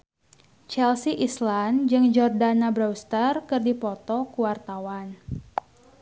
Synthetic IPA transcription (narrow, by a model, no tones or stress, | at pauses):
t͡ʃɛlsiʔisland͡ʒɨŋd͡ʒɔrdanabɾawst̪ərkɨrdipɔt̪ɔkuwart̪awan